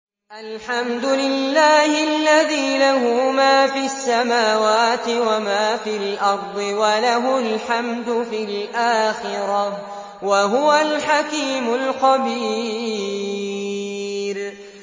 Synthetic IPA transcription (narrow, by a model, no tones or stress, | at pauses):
ʔalħamd̪ʊlɪlːaːhɪalːaðiːlahʊmaːfiːasːamaːwaːt̪ɪwamaːfiːlʔɑɾˤd̪ˤɨwalaɦʊlħamd̪ʊfiːlʔaːxɪɾa | waɦʊwalħakiːmʊlqɑbiː | ɾ